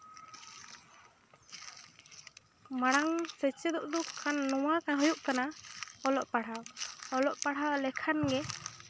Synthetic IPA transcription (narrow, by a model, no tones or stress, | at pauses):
maɽ̃aŋsət͡ʃɛd̪ɔʔd̪ukʰːanːɔwakaɦɔjuʔkanaɔlɔʔpaɽ̤ɦaɔlɔʔpaɽawlɛkʰanɡɛ